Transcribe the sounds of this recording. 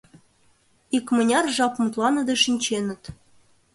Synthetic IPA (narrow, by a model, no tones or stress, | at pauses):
ikmɤ̆nʲɑrʐɑpmut̪lˠɑnɤ̆d̪ɤʂinʲt͡ɕenɘ̆t̪